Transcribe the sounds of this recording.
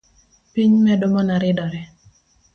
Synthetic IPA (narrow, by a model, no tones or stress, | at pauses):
piɲmɛdʊmɔnaɾɪdɔɾɛ